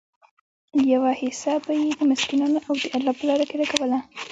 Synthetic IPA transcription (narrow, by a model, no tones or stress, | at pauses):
jawahɪsɑbajed̪əmaskinɑnoʔawd̪əʔalɑpəlɑɾakeɾakawəla